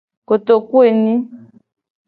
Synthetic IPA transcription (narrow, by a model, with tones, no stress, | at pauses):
ko˨to˨ku˦e˨nĩ˦